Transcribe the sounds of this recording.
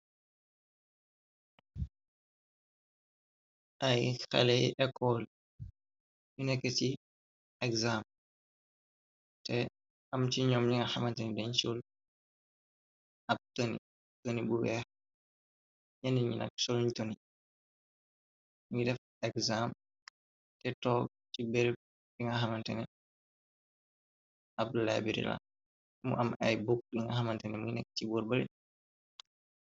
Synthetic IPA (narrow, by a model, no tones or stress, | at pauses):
ʔɐjxɛ̰lɛjʔɛkʰːɔl | junɛkːɛti | ɛkzam | tɛ | ɐmt͡ʃiɲɔːmɲiŋɐxamɐntɛɲdɛɲt͡ʃul | ɐp̚tonḭ | tonibuwɛx | ɲandiɲḭna̰ksolɲtoni | ɲidɛf | ɛkzam | tɛtɔ | t͡ʃibɛɾ | ɗiŋaɦamantɛ̰nɛ | ʔab̚dula̰biɾḭla̰ | mṵʔamʔa̰jbuk̚ɗiŋahamantɛnɛmunɛk̚t͡ʃibuɾbalḭ